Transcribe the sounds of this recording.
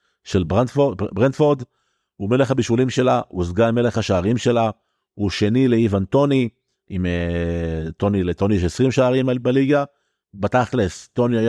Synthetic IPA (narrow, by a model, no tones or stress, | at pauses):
ʃelbafobʁentfoʁd̪ | ume̞leχhabiʃulimʃe̞lauzɡame̞leχaʃaːʁimʃe̞la | uʃe̞nileivanto̞ni | ime | t̪o̞nileto̞nijɛʃesʁimʃaːʁimabaliɡa | bataχlesto̞niaja